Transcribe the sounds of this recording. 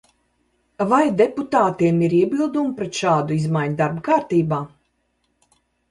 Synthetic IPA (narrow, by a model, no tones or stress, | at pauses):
vajd̪ɛput̪aːt̪iɛmiɾiɛbilˠd̪umpɾɛt̪ʃaːd̪uizmajɲd̪aɾbkaːɾt̪iːbaː